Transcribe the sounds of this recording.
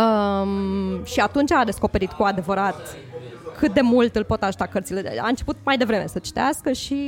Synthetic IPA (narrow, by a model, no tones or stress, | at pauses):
əmʃiat̪unt͡ʃad̪e̞sko̞pe̞ɾit̪kuad̪e̞vəɾat̪ | kʰɨt̪̚d̪e̞mult̪ɨlpo̞t̪aʒut̪akərt̪sile̞d̪ḛa̰ɨnt͡ʃe̞put̪̚majd̪e̞vɾe̞me̞sət͡ʃi̥t̪easkəʃi